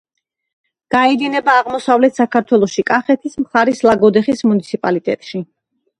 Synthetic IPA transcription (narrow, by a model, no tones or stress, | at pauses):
ɡ̥aɛd̪inɛbaːʁmɔsavlɛt̪ʰsakʰaɾt̪ʰwɛlˠɔʃikʼaχɛt̪ʰismχaɾislˠaɡɔd̪ɛχismunit̪sʰipʼalit̪ʼɛ̰t̪ʼʃi